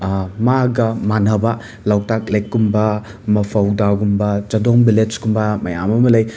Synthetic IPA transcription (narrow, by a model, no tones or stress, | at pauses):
maɡɐmanɐba | lawtak̚lekːumbɐ | mɐpʰawdaɡumbɐt͡ʃɐdoŋbilett͡ʃkumbɐmɐja̰mɐmɐlɐj